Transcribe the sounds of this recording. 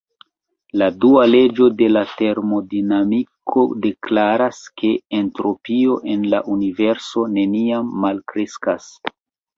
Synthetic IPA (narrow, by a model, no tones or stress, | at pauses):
laduale̞d͡ʒo̞de̞late̞ɾmo̞dinamikʰo̞de̞klaɾaskʰe̞ːntɾo̞pio̞ʔe̞nla̰ʔunive̞ɾso̞ne̞niamːalkɾeskas